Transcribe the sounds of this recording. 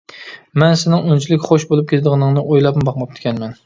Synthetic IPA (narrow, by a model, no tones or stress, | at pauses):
mɛnsɪnɪŋunt͡ʃʰilɪkʲχoʃbolˠup̚kʲʰeld̪əʁɨnɨŋnɨʔojlˠɑpmɨbɑqmɑp̚t̪ʰɪ̥kʲʰɛnmɛn